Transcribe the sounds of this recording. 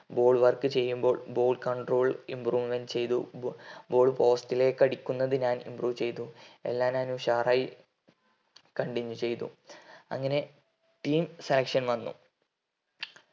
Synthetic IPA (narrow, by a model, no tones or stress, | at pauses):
bo̞ːɭʋɐrkɨt͡ɕe̞jːumbo̞ːɭbo̞ːɭkɐɳɖro̞ːɭḭmpruːʋment͡ɕe̞jt̪ṵbo̞ːɭpo̞ːstile̞kɐɽikʲːunːɐðɨɲaːnḭmpruːʋt͡ɕe̞jt̪uḛlːaːnaːnuɕaːraji | kɐɳɖiɲːut͡ɕe̞jt̪ṵɐ̰ŋːɐne̞ | ʈiːmselɐkʂɐnʋɐnːṵ